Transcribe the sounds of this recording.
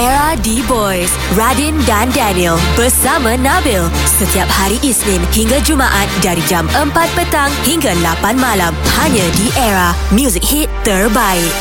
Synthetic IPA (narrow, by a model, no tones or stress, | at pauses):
ɛɹadibɔjs | ɹadĩndandaniəlbərsamãnabil | sət̪iap̚haɾiʔisnɪ̃nhiŋɡad͡ʒumaʔat̪̚daɾid͡ʒaməmpat̪̚pət̪aŋhiŋɡalapanmãlamhaɲãdiʔɛɹa | mjuzik̚hit̪ːərbaɪʔ̚